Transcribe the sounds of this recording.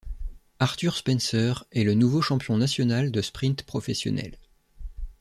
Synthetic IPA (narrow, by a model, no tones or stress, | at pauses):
aʁt̪yʁspɛnsœʁɛlənuvoʃɑ̃pjɔ̃nasjɔnald̪əspχĩnt̪pχɔfɛsjɔ̰nɛ̰l